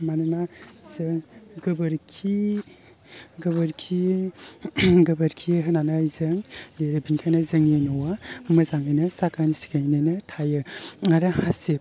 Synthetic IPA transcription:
manɯnaz̥ɯŋɡɯbɐɾkʰi | ɡɯbɐɾkʰi | ɡɯbɐɾkʰiɦɯnanajzɯŋleɾɯbinkʰajnazɯŋenɔwamɯzaŋajnɯsakʰansi̥ɡʰajnɯnɯtʰajɯŋaɾahasep

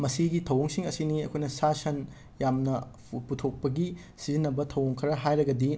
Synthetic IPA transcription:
mɐsiɡitʰɐwoŋsiŋɐsiniɐ̰kʰojnɐsasɐn | jamnɐ | putʰok̚pɐɡi | sizinːɐbɐtʰɐwoŋkʰɐɾɐɦajɾɐɡɐdi

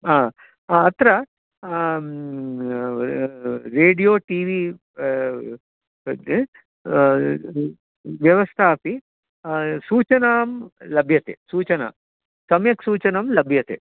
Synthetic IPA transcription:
aː | aɐt̪ɾɐ | ɾeːɖijoːʈiːʋi | ʋjɐʋɐst̪ʰaːpi | suːt͡ʃɐnaːmlɐbʱjɐt̪ḛsuːt͡ʃɐna̰ | sɐmjɐksuːt͡ʃɐnɐmlɐbʱjɐt̪ḛ

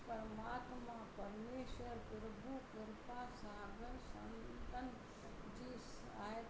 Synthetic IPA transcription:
pɐɾmaːt̪mãpɐɾmeːʃwəɾpɪɾbʱukɪɾpasaːɡəɾsɐ̰nt̪ən | d͡ʒiːs | aːe

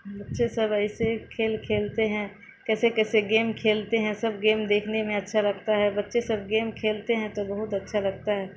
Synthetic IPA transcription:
bɐtːʃesɐbɐɪsekʰeːlkʰeːlt̪eɦɛ̃ | kɛːsekɛːseɡeːmkʰeːlt̪eɦɛ̃sɐbɡeːmd̪eːkʰnemẽɐtːʃʰalɐɡ̚t̪aɦɛbɐtːʃesɐb̚ɡeːmkʰeːlt̪eɦɛ̃t̪obɐɦʊt̪ɐtːʃʰalɐɡ̚t̪aɦɛː

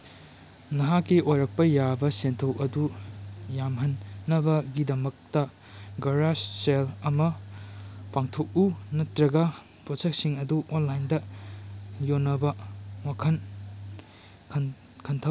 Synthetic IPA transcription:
nɐɦakːiʔojɾɐk̚pɐjabɐsentʰɐwʔɐdujamɦɐnːɐbɐɡidɐmɐk̚tɐ | ɡɐɾasselɐmɐ | paŋtʰok̚unɐtɾɐɡɐ | pɾod͡ʒek̚siŋɐduʔonlajndɐ | jonːɐbɐwakʰɐn | kʰɐ | kʰɐntʰɐ

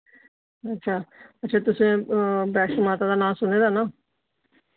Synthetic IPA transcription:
ətːʃʰaːətːʃʰaːt̪ʊsẽːbɛːʈʃmaːt̪aːd̪aːnãːsʊneːd̪aːnãː

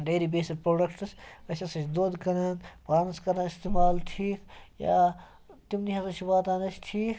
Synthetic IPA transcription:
ɖeːɾibeːsilpɾoːɖɐkʈɨsɐt͡ʃʲɐsɐt͡ʃʰd̪oːd̪kɐnɐnpaːnskɐɾaːɪst̪emaːlʈʰiːkja̰ː | t̪imniɦɐsɐt͡ʃʰibaːt̪ãːnɐt͡ʃʰʈʰiːk

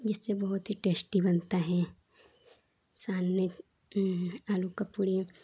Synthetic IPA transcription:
d͡ʒɪsːebɐɦʊt̪ɦiʈeːsʈibɐnt̪aɦɛ | saːnːe | aːlukɐpuːɾi

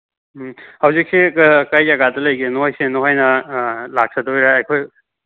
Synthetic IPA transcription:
hɐwzik̚sekɐjaɡatɐlɐjɡenuhajsenuɦajnɐlak̚sʰɐdojɾaɐjkʰoj

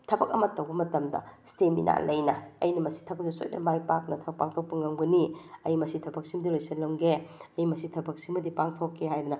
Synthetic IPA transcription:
tʰɐbɐk̚ɐ̰mɐtːɐwbɐmɐtɐmdɐ̰stemḭnʔa̰lɐjnɐɐ̰jnɐmɐsi̥tʰɐbɐk̚dɐso̰jdɐ̰majpak̚nɐtʰɐbɐk̚paŋtʰok̚pɐŋɐmɡɐniɐjmɐsitʰɐbɐk̚simdilojsɐlɐmɡeɐjmɐsitʰɐbɐk̚simɐdipaŋtʰokʰːehajd̪unɐ

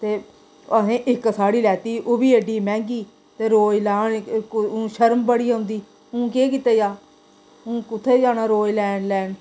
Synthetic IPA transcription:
t̪eː | əɦẽːʔɪksaːɽiːlɛːt̪iːʔoːbiːəɖiːmɛ̃ːŋɡiː | t̪eːɾoːjlaːɳ̃ː | ʃəɾmbəɽiːaʊ̃ːnd̪iː | ũːkeːk̬it̪eːjaː | ũːkʊt̪ʰːeːd͡ʒaːnaːɾoːjlɛːɳɖlɛːɳ

